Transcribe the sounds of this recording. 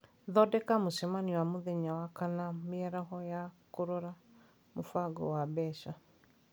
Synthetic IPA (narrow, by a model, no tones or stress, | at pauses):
ðɔdɛkamoʃɛmaniwamoðɛɲawakanamiɛɾaɦɔjakoɾɔɾa | mofaɡɔ̰wabɛʃa